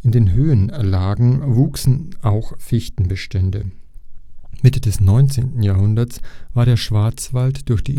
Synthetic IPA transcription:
ʔɪndeːnɦøːənlaːɡŋ̩vuːksn̩ʔaʊxfɪçtn̩bəʃtɛndə̰ | mɪtədɛsnɔʏnt͡sḛːntn̩jaːɐɦʊndɐt͡sv̥aːɐɾeːɐʃv̥aɐt͡sv̥altd̥ʊɐçd̥iː

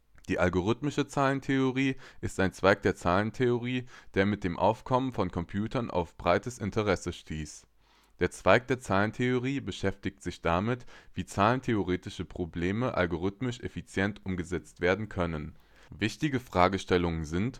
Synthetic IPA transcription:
d̥iːʔalɡoʁ̞ʏtmɪʃət͡saːləntʰeoʁiːʔɪstaɪnt͡sv̥aɪk̚d̥eːɐt͡saːləntʰeoʁiːd̥eːɐmɪt̚d̥eːmʔa̰ʊfkʰɔmənfɔnkʰɔmpʰj̥uːtʰɐnʔa̰ʊfb̥ʁaɪtəsɪntʰəʁɛsəʃtʰiːs | d̥eːɐt͡sv̥aɪk̚d̥eːɐt͡saːləntʰeoʁ̞iːbəʃɛftɪk̚tz̥ɪçd̥amɪtv̥iːt͡saːləntʰeoʁeːtɪʃəpʁ̥obleːməʔa̰lɡoʁ̞ʏtmɪʃʔefit͡sjɛntʔʊmɡəzɛt͡stv̥eːɐdn̩kʰœnən | vɪçtɪɡəfʁ̥aːɡəʃtɛlʊŋənzɪnt

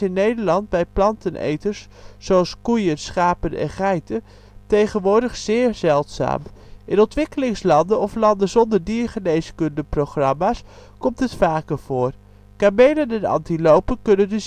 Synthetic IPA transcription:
ɪnːejdəɹlɑnd̚bɛjplɑntənʔḛjtəɹsː | oɑlˠskujənsχaːpənɛ̰nχɛjtə | tejχənʋʊːɹdəχzɪːɹzɛlˠtsa̰ːmʔɪnɔntʋɪkəlɪŋslɑndənɔflɑndəzɔndəɹdiːɹχənejskɵndəprowχrɑmaːs | kɔmtɦətfaːkəɹv̥ʊːr | kaːmejlənɛnɑ̰ntilowpəkɵnəndəz

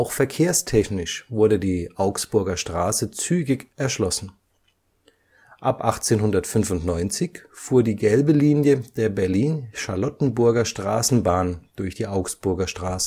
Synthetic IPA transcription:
ʔaʊxfɛɐkʰeːɐstʰɛçnɪʃvʊɐdədiːʔaʊksb̥ʊɐɡɐʃtʁ̥aːsət͡syːɡɪçʔɛɐʃlɔsn̩ | ʔapʔaχt͡seːnhʊndɐtfʏnfʊntnɔʏnt͡sɪçfuːɐdiːɡɛlbəliːnjəd̥eːɐbɛɐliːnʃalɔtn̩bʊɐɡɐʃtʁ̥a̰ːsn̩baːnd̥ʊɐçd̥iːʔaʊksb̥ʊɐɡɐʃtʁ̥aːsə

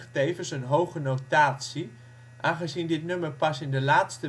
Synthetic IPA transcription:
χtejvənsənɦowχənotaːtsi | ʔaːnχəzindɪtnøməɹpɑsɪndəlaːtstə

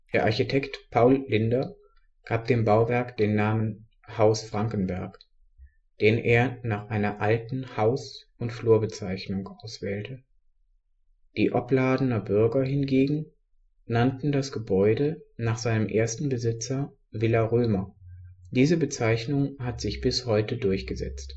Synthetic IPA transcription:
d̥eːɐʔaɐçitʰɛktpʰaʊlːɪndɐ | ɡ̥aːp̚d̥eːmbaʊvɛɐkd̥eːnːaːmən | haʊsfʁ̥aŋkn̩vɛɐk | d̥eːnʔḛːɐnaːχʔaɪnɐʔaltn̩haʊs | ʊntfluːɐbət͡saɪçnʊŋʔaʊsv̥ɛːltə | d̥iːʔɔplaːdn̩ɐbʏɐɡɐɦɪnɡeːɡŋ̩ | nantn̩dasɡ̥əbɔʏdənaːχz̥aɪnəmʔḛːɐstn̩bəzɪt͡sɐ | vɪlaʁøːmɐd̥iːzəbət͡saɪçnʊŋhatz̥ɪçb̥ɪshɔʏtədʊɐçɡ̥əzɛ̰t͡st

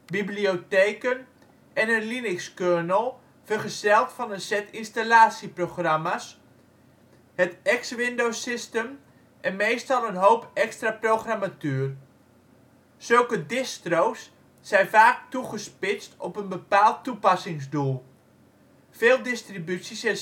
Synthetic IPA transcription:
biblioteːkən | ɛnənlinɪkskøːnəlˠ | fərχəsɛlˠtfɑnənsɛtinstalaːsiproxramas | hətɛksʋɪndowsɪstəm | ʔɛnmejstɑlˠənɦowpɛkstraprowxramatøər | sɵlˠkədɪstrowsː | ɛjnfaːk̚tuχəspɪt͡stɔpənbəpaːlˠtːupɑsɪŋzdulˠ | feːlˠdɪstribytsisɛ

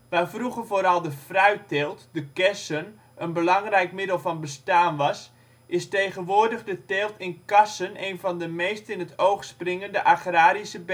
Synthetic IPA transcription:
ʋafruɣərvoːɾɑlˠdəfrœɥteːlˠtdəkɛsən | ənbəlɑŋrɛjkmɪdəlˠfɔnbəstaːnʋɑs | ʔɪstejɣənʋoːrdəɣdəteːlˠtʰɪnkɑsəneːjnvɔndəmeːstɪnətʰowxsprɪŋəndəʔaxraːɾisəb

